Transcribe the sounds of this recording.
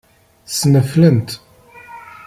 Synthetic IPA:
sməflənt̪

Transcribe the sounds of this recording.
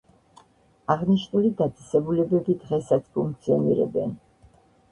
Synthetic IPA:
aʁniʃnulid̪ad̪zʼɛsɛbulɛbɛbid̪ʁɛsat̪sʰpʰuŋk̚ʰt̪sʰiɔnḭɾɛ̰bɛ̰n

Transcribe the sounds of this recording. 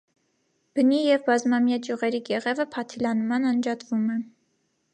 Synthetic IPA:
b̥ənijɛvbɑzmɑmjɑd͡ʒjuʁɛɾiɡɛʁɛvəpʰɑt̪ʰilɑnmɑnɑnd͡ʒɑt̪vumɛ

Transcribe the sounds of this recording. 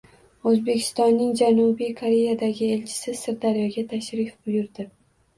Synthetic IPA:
ɵzbe̞kʲʰɪ̥st̪ɒnːɪŋd͡ʒanubijkʰoɾe̞jad̪aɡʲɪe̞lt͡ʃʰɪ̥sɪsɪɾd̪aɾjɒɡʲat̪ʰaʃɾɪfbʊjʊɾd̪ɪ

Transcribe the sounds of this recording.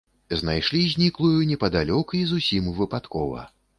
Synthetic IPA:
znajʂlʲizʲnʲiklˠujunʲɛpɐd̪alʲɔkuizusʲimvɨpat̪kɔvɐ̰

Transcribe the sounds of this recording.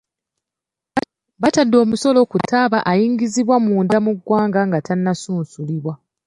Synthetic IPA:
βatadːo̞ːmuso̞lo̞kutaβaʔajiːŋɡiziβwamuːndamuɡwaːŋɡaŋɡatʰanːasuːnsuliβwa

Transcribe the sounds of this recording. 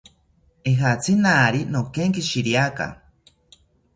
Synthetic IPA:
eɦat͡sʰinaːɾinokeŋkiʃiɾiaka̰

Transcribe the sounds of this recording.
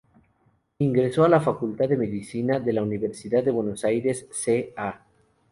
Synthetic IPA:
iŋɡɾe̞soalafakult̪aðe̞me̞ðisinaðe̞launiβe̞ɾsiðaðd̪ːewe̞nosajɾe̞sːea

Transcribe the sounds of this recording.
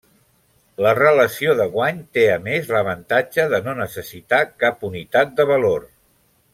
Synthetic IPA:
lərələsioðəɣwaɲt̪eəmezləβ̞ənt̪ad͡ʒəðənonəsəsit̪akapunit̪at̪̚d̪əβəlor

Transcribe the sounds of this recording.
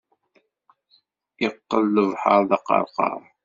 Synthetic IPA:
ɪqːəlːəvħaɾˤðɑqɑ̰ɾˤqɑ̰ɾˤ

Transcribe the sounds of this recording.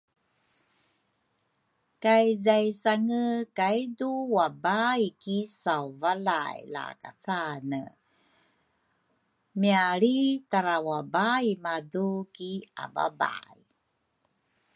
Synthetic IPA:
kajzajsaŋəkajduwabaikisawvalajla̰ka̰θanə | miaɾitaɾawabaimadukia̰ba̰ba̰j

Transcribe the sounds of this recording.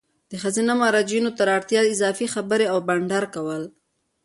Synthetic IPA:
d̪̥əxazinamɑɾɑd͡ʒinot̪aɾɑɽt̪jɑɪzɑfixabəɾeawbaɳɖaɾkawəl

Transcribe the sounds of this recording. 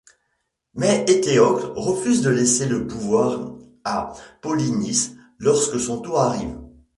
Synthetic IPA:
mɛʔet̪eɔklʁəfyzd̪əlɛseləpuvwaʁ | apɔlinis | lɔʁskəsɔ̃t̪oaʁiːv

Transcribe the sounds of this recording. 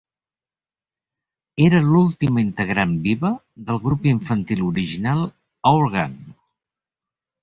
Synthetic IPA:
eɾəlulˠt̪imint̪əɣɾambiβə | ðəlˠɣɾupiɱfənt̪iluɾiʒinalˠ | əwlˠɣan

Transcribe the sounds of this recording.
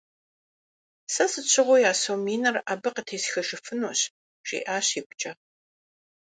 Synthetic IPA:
sɐsɨt͡ʃʰʼɪʁʷʊjaːsowmiːnɐrʔɐbɐqətʰeːsxɐʂɨfɨnuːɕ | ɕʼḭːʔaːɕiːkʷʊt͡ʃʼɐ

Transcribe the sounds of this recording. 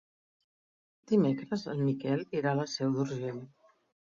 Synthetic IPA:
d̪̥imekɾəzə̰lˠmikɛliɾaləsɛwd̪uɾʒeʎ

